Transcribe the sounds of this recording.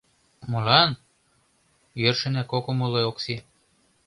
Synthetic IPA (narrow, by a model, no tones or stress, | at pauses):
mɤ̆lɑn | jørʃɘ̆nækokomɤlooksi